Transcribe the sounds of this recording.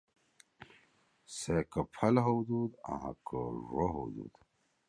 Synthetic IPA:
sekəpʰɐlɦowd̪ud̪a̰ɦa̰kʰəɾoɦo̰wd̪ṵd̪

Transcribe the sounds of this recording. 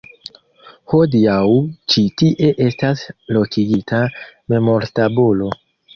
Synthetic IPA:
ho̞diawt͡ʃitiʔe̞ʔe̞staslo̞kiɡitame̞mo̞ɾtabulo̞

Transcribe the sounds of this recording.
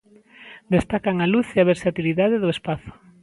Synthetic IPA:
d̪est̪akaŋaluθeaβeɾsat̪iliðaðeðʊespaθʊ̥

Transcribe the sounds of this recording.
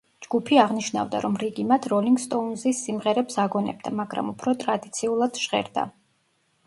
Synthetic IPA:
d͡ʒɡ̥upʰiaʁniʃna̰vd̪a̰ɾɔmɾiɡimat̪ʰɾɔliŋɡst̪ʼɔunzisːimʁɛɾɛpsaɡɔnɛ̰b̚d̪a̰maɡɾa̰mupʰɾɔt̪ʼɾad̪it̪sʰiulˠad̪̥ʒʁɛ̰ɾd̪a̰

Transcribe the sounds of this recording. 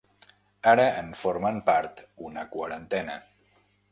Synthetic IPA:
aɾəʔənfoɾməmpaɾt̪unəkwaɾənt̪ɛnə̰

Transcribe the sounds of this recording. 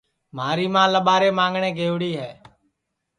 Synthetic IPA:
maːɾiːmãːləɓaːɾeːmãːŋɡɳeːɡʱeːʋɽiːɦɛː

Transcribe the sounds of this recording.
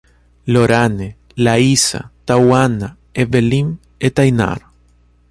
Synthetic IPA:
loɾane | laisa̰t̪awana | eβelim | et̪ajna̰ɾ

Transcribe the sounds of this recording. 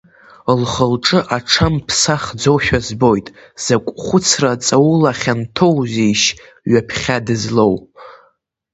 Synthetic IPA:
lχəlʈ͡ʂʼɨʔaʈ͡ʂʰampʰsaχd͡zo̞wʃᶣazbo̞jtʼ | z̥akʷʼχʷʊt͡sʰrat͡sʼawlaχʲantʰo̞wzejʃ | ɥapʰχʲadɨzlow

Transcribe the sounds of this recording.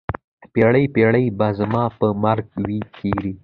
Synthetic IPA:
peɽəjpeɽəjbazəmɑpəmaɾɡwikʰiɾi

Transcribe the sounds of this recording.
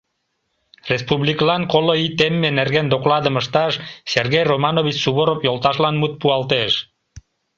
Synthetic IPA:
respuβliklɑnkoloit̪emːenerɣend̪oklɑd̪əməʃt̪ɑʃserɣejromɑnoβit͡ɕsuβoɾopjolt̪ɑʃlɑnmut̪̚puɑlt̪eʃ

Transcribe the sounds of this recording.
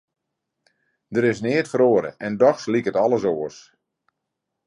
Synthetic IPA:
dəɾɪsnɪətfəɾoːəɾə̰ʔɛndɔxslikətɑlˠəsoəs

